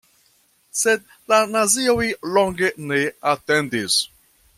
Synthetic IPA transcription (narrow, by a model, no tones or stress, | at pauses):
sed̚ | lanaziojloŋɡeneatendis